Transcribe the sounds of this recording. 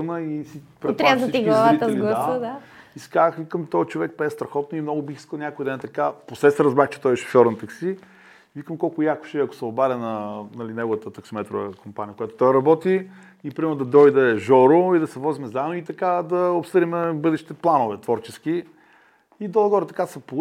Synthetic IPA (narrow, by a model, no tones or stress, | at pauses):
nəisipɾɛɾazɐt̪iɡlˠɐvait̪əɛzliɡldˠɐaəd̪a | iskaxvikəmt̪ɔjt͡ʃovɛk̚pɛst̪ɾɐxɔt̪̚noimnɔɡʊbixi̥skəlˠnʲakoid̪ɛnt̪ɐkaposɛsɛɾɐzbɾaxt͡ʃɛ̥t̪ɔjɛʃo̥fjɔɾnɐt̪ɐksi | vikəmkɔlˠkʊjakʊ̥ʃɛiɐkʊ̥sɛobaɾʲɐnɐnɐlinɛɡovət̪ət̪ɐksimɛt̪ɾo̰və̰kompanʲiəkojat̪o̥t̪ɔjɾɐbɔt̪i | ipɾimɛd̪ɐd̪ɔjd̪ɛʒɔɾʊid̪ɐsɛvɔzimɛzanoit̪ɐkad̪ɐopsɤd̪imɛbɤd̪ɛʃt̪i̥t̪ɛplˠanovɛt̪vɔɾt͡ʃɛski | id̪olˠɐɡɔɾət̪ɐkasɐp